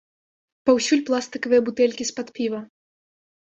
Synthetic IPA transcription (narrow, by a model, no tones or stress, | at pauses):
pawsʲulʲplˠast̪ɨkɐvɨjɐbut̪ɛlʲkʲispat̪pʲivɐ